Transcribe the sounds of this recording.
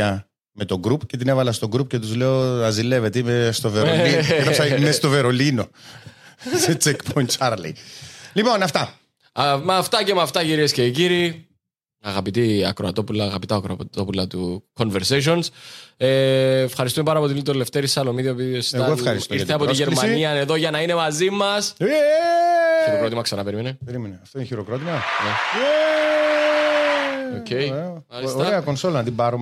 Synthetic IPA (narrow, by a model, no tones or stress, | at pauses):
ɐ | met̪oɡɾupcet̪inevɐlɐst̪oɡɾupcet̪uzleoɐzilːevet̪imest̪oveɾolimest̪oveɾolino | set͡sekpʰont͡ʃaɾlḭlipo̞nɐft̪ɐ | mɐft̪ɐcemɐft̪ɐciɾiesceciɾi | ɐɣɐpit̪iɐ̰kɾo̞ɐt̪o̞pulɐːɣɐpit̪ɐkɾo̰t̪opulɐt̪uko̞nveɾseʃ̬onseːfxɐɾis̬t̪ume̞pɐnɐpo̞t̪it̪oleft̪eɾisɐlo̞miðiopiosɐɣoɐɾisiɾθeɐpoiʝeɾmmɐniɐneðo̞ʝɐnɐine̞mɐzimɐs | çiɾokɾot̪imɐksɐnɐpeɾimeneeɾimeneɐft̪oineçiɾokɾot̪imɐne | ocʰːejmɐlsoɾɐeɐkonsolnɐt̪imbɐɾo